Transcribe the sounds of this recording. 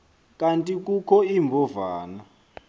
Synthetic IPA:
kʼantʼik̬ʼukʰɔimbʱɔvaːna

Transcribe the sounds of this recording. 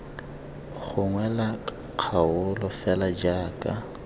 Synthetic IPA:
ɣʰʊŋwɛla | q͡χʰaʊlɔfɛlad͡ʒaːkʼa

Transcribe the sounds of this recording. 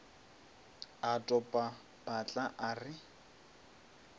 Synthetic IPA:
atʼɔpʼa | b̥at͡ɬʼaʔarɪ

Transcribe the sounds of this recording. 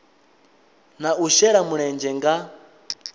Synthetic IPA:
nauʃɛɺamuɺɛnd͡ʒɛŋɡa

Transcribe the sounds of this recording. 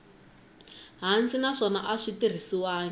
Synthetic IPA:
ɦant͡sinaʂɔna̰ʔaʂitir̤isiwaːŋ

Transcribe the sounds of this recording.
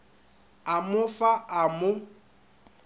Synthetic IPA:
amʊfaʔamʊ

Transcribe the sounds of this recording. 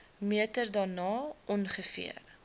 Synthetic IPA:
miətərdɑːnɑːʔɔnχəfḭər

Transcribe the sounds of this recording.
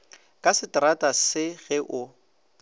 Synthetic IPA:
kʼasɪtratʼasɪɣɛʔʊ

